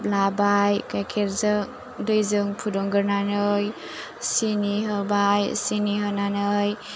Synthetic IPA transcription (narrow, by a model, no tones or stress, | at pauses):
p̚labajkajkʰeɾzɯŋ | dɯjzɯŋpʰudɔŋɡɯɾnanɯj | siniɦɯbajsiniɦɯnanɯj